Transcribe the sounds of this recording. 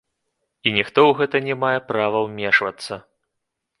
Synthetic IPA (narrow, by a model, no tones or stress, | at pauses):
inʲixt̪ɔwɣɛt̪ɐnʲɛmajɛpɾavɐwmʲɛʂvɐt̪sːɐ